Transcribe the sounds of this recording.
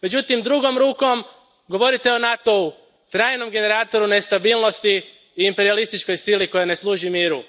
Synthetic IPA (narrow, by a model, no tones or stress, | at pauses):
me̞d͡ʑut̪imd̪ɾuɡo̞mɾuːko̞m | ɡo̞ʋo̞ɾit̪eo̞nat̪o̞u | t̪ɾaːjno̞mɡe̞ne̞ɾaːt̪o̞ɾune̞st̪abiːlˠno̞st̪iː | mpe̞ɾialist̪it͡ʃko̞jsiliko̞jane̞slˠuːʒimiːɾu